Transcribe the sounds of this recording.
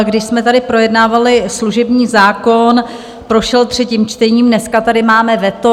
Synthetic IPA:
ɡdɪʃsmɛt̪adɪpɾojɛdnaːvalɪsluʒɛbɲiːzaːkon | pɾoʃɛlt̪r̝̥ɛciːmt͡ʃt̪ɛɲiːmnɛskat̪adɪmaːmɛvɛt̪o

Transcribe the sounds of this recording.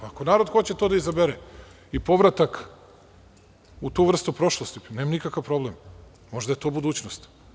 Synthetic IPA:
akonaːɾo̞d̪xo̞t͡ɕet̪oːd̪aizabeɾe | ipo̞ʋɾat̪ak | ut̪uʋr̩st̪upɾoʃlˠost̪ineːmanikakaʋpɾo̞blemː | o̞ʒd̪ajet̪o̞bud̪uːt͡ɕnost̪

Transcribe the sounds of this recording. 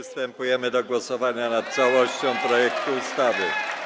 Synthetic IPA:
st̪ɛmpujɛmɘd̪ɔɡwɔsɔvaɲanat̪̚t̪sawɔɕt͡ɕɔ̃w̃pɾɔjɛkt̪uust̪avɘ

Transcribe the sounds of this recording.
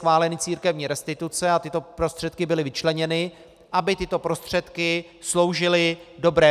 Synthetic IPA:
vaːlɛnɪt͡siːɾkɛvɲiːɾɛst̪ɪt̪ut͡sɛat̪ɪt̪o̞pɾost̪r̥ɛt̪̚kɪbɪlɪvɪt͡ʃlɛɲɛnɪ | ʔabɪt̪ɪt̪o̞pɾo̞st̪r̝̥ɛt̪kɪ | slo̞wʒɪlɪdo̞bɾɛː

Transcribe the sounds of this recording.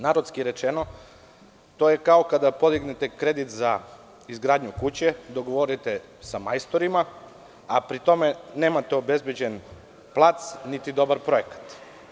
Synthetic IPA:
naːɾot̪skiɾe̞t͡ʃeno̞ | t̪o̞jekaokad̪apo̞d̪iɡnet̪ekɾe̞d̪it̪za | izɡɾaːd̪ɲukut͡ɕe̞d̪o̞ɡoʋoɾit̪e | samajst̪o̞ɾima | apɾit̪o̞me̞ne̞ːmat̪eobe̞zbjed͡ʑe̞n | plˠat̪snit̪id̪o̞baɾpɾo̞jekḁt̪

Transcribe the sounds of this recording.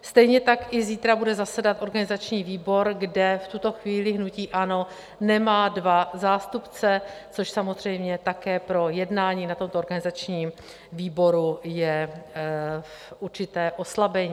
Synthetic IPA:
st̪ɛjɲɛt̪akʔɪziːt̪ɾabudɛzasɛdat̪ʔo̞ɾɡanɪzat͡ʃɲiːviːbo̞ɾɡdɛft̪ut̪o̞xviːlɪɦnuciːʔano̞ | nɛmaːdvazaːst̪upt͡sɛt͡soʃsamozr̝ɛjmɲɛt̪akɛːpɾo̞jɛdnaːɲiːnat̪o̞mt̪ooɾɡanɪzat͡ʃɲiːm | viːbo̞ɾujɛ | fʔuɾt͡ʃɪt̪ɛːʔo̞slabɛɲiː

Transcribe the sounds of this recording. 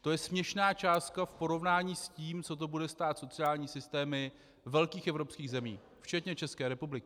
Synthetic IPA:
t̪o̞jɛsmɲɛʃnaːt͡ʃaːst̪̚kafpo̞ɾo̞vnaːɲiːsciːmt͡so̞t̪̬o̞budɛst̪aːt̪so̞t͡sɪaːlɲiːsɪst̪ɛːmɪ | vɛlkiːxʔɛvɾo̞pskiːɣzɛmiː | ft͡ʃɛt̪ɲɛt͡ʃɛskɛːɾɛpublɪkɪ

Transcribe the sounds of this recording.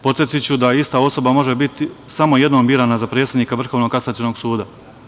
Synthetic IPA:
po̞t̪jet̪it͡ɕud̪aist̪ao̞so̞bamo̞ʒebit̪isamo̞je̞d̪nombiːɾaːnazapɾeːsed̪niːkaʋr̩xoʋnoɡkasat͡ɕeno̞ɡsuːd̪a

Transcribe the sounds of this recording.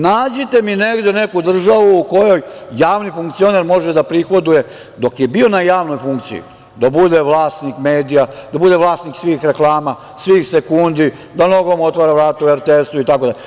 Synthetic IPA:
naːd͡ʑet̪e̞mine̞ɡd̪ene̞kud̪r̩ʒaʋuːko̞jo̞jːaːʋnifuŋkt̪sio̞ne̞ɾmo̞ʒed̪apɾixo̞d̪uje̞ | d̪o̞kje̞bio̞najaːʋno̞jfuŋkt̪sḭḭ | d̪abud̪e̞ʋlˠaːsnikmeːd̪ijad̪abud̪e̞ʋlˠaːsniksʋixɾe̞klˠaːma | sʋixse̞kund̪i | d̪ano̞ɡo̞mo̞t̪ʋaːɾaʋɾaːt̪ueɾt̪eest̪uit̪akod̪aʎʲ

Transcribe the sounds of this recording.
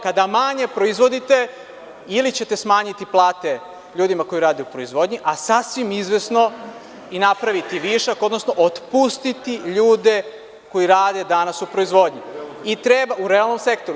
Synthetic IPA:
kad̪amaɲe̞pɾo̞izʋo̞d̪it̪e | ilit͡ɕe̞t̪e̞smaːɲit̪iplˠaːt̪e | ʎuːd̪imako̞iɾaːd̪eupɾoizʋo̞ːd̪ɲiʔasasʋimizʋe̞sno | inapɾaʋit̪iʋiʃako̞d̪nosnoʔot̪pust̪it̪iʎuːd̪e̞ | ko̞iɾaːd̪e̞d̪anasupɾo̞izʋo̞d̪ɲiit̪ɾebauɾealˠno̞mse̞kt̪oɾu

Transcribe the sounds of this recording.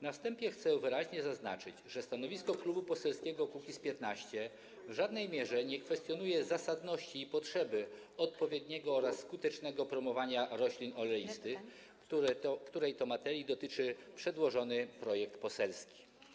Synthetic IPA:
nafst̪ɛmpʲjɛxt̪sɛvɘɾaʑɲɛzazna̰t͡ʂɘd͡ʑʐɛst̪anɔvʲiskɔklubupɔsɛlskʲɛɡɔkukʲispʲjɛt̪naɕt͡ɕɛ | vʐad̪nɛjmʲjɛʐɛɲɛkfɛst̪ʲjɔnujɛzasad̪nɔɕt͡ɕiːpɔtʂɛbɘ | ɔt̪̚pɔvʲjɛd̪ɲɛɡɔɔɾasːkut̪ɛt͡ʂnɛɡɔpɾɔmɔvaɲaɾɔɕlʲinɔlɛjist̪ɘ | kt̪uɾɛjt̪ɔmat̪ɛɾʲjid̪ɔt̪ɘt͡ʂɘpʂɛd̪wɔʐɔnɘpɾɔjɛk̚t̪pɔsɛlskʲi̥

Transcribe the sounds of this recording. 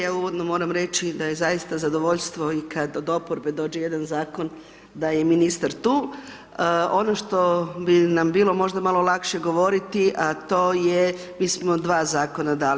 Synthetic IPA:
jaːuʋod̪nomo̞ːɾamɾe̞t͡ʃid̪aje̞zajist̪azad̪o̞ʋo̞ʎst̪ʋo̞ikʰad̪od̪o̞poɾbe̞d̪o̞ːd͡ʒejed̪anzaːko̞n | d̪ajeminist̪aɾt̪uː | o̞no̞ʃt̪o̞binambiːlˠo̞mo̞ʒd̪amalo̞lˠakʃe̞ɡo̞ʋo̞ɾit̪iʔat̪o̞ːje | miːsmo̞d̪ʋaːzaːko̞nad̪aːl

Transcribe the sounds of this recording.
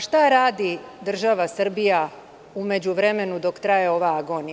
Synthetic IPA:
ʃt̪aɾaːd̪id̪r̩ʒaʋasr̩bija | ume̞d͡ʑuʋɾe̞me̞nud̪o̞kt̪ɾajeo̞ʋaaɡo̞ni

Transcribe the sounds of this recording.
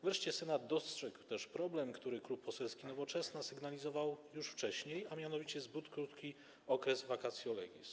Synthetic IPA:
vɾɛʂt͡ɕɛsɛnad̪d̪ːɔstʂɛɡwt̪ɛʂpɾɔblɛmkt̪uɾɘklupːɔsɛlskʲinɔvɔt͡ʂɛsnasɘɡnalʲizɔvawjuʂft͡ʂɛɕɲejamʲjan̪ɔvʲit͡ɕɛzbut̪kɾut̪kʲi | ɔkɾɛzvakat̪sʲjɔlɔ̰ɡʲḭs

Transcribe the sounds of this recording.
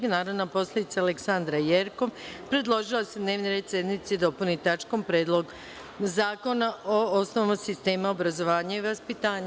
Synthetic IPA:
ɡnaːɾoʋnapo̞slʲˠed̪it̪saːleksand̪ɾajeɾko̞ʋpɾe̞d̪lˠo̞ʒilˠased̪ne̞ʋniɾed̪sje̞d̪nit̪sid̪o̞punit̪at͡ʃkompɾeːd̪lˠo̞ɡ | zaːko̞naoosnoʋamasist̪e̞ːmaobɾazo̞ʋaːɲaiʋaspit̪aːɲa

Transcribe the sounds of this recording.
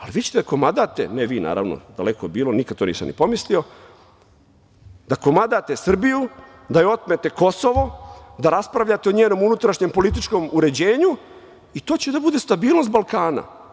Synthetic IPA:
aliʋiːt͡ɕe̥t̪ed̪ako̞mad̪at̪ḛneʋiːna̰ːɾa̰ʋno̰d̪a̰lekobiːlˠo̞nikad̪̚t̪onḭːsa̰mnḭpo̞mislio̞ | d̪akomad̪at̪e̞sr̩biju | d̪ajeo̞t̪̚met̪e̞ko̞so̞ʋo̞d̪aɾaspɾaʋʎaːt̪eoɲeːno̞munut̪ɾaʃɲempo̞lit̪it͡ʃko̞muɾe̞d͡ʑe̞ːɲu | it̪o̞ːt͡ɕed̪abud̪e̞st̪abiːlno̞st̪balˠkaːna̰

